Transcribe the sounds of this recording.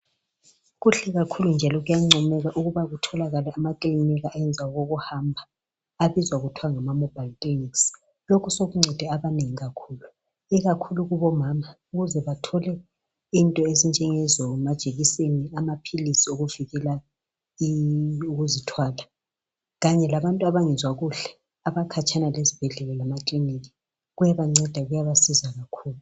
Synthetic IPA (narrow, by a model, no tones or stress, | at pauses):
ɣuɬɛɣakʰulund͡ʒʱalɔɣujaŋ͡ǀʱɔmɛɣaʔuɣuβaɣutʰɔlaɣalɛamakʼiliniɣaʔːjɛnd͡zʱawaɣoɣuhambʱa | aβizwaɣutʰuwaŋamamɔb̥ʱaltʼiniks | lokʰusoɣuŋ͡ǀʱɛd̥ʱɛaβaneŋiɣakʰuːlu | iɣakʰuluɣuβɔmaːma | uɣuzɛβatʰɔlɛ | intʼɔezind͡ʒʱɛŋɛzɔmad̥ʒ̥ʱeɣiseniamapʰilisioɣuviɣɛla | iuɣuzitʰwaːla | ɣaɲɛlaβantʼuaβaŋɛzwaɣuɬɛ | aβakʰat͡ʃʰʼanalezib̥ʱɛɮɛlɔlamakʼliniɣi̥ | ɣujaβaŋ͡ǀɛd̥ʱaɣujaβasizaɣakʰuːlu